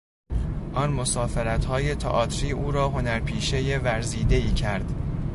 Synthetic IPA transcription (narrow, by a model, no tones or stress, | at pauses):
ʔɒnmo̞sɒːfe̞ɾæt̪hɒːje̞t̪ʰḛʔɒːt̪ʰɾiːʔuːɾɒːɦo̞næɾpʰiːʃe̞je̞væɾziːd̪e̞iːcʰæɾd̪̥